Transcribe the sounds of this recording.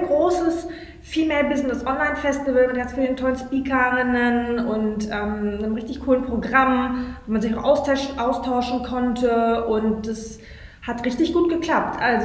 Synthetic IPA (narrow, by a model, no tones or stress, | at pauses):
nɡʁoːsəs | fiːlmeːɐbɪznəsʔɔnlaɪnfɛstivəlmɪt̚ɡ̥ant͡sfiːləntʰɔlənspiːkʰɐʁɪnənʊntʔɛːmnəmʁɪçtɪçkʰuːlənpʁ̥oɡʁamvoːmanzɪçaʊxʔaʊstʃʔaʊstʰaʊʃn̩kʰɔntʰəʔʊnt̚d̥as | hatʁɪçtɪçɡ̥uːt̚ɡ̥əkl̥ap̚tʔalz